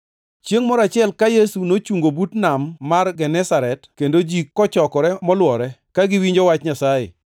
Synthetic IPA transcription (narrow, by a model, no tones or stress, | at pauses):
t͡ʃjeŋmɔɾat͡ʃɪɛlkajesunot͡ʃuŋɡobutnamːarɡɛnɛsaɾɛtkendod͡ʒikːɔt͡ʃɔkɔɾɛmɔlwɔɾɛkaɡɪwiɲd͡ʒɔwat͡ʃɲasajḛ